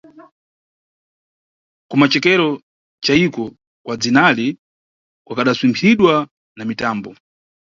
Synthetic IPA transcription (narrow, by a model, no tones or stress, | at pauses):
kumat͡ʃɛkɛɾɔ | t͡ʃaikɔ | kwad͡zinali | kwakaɗaswimpʰiɗwa | namitaːmbɔ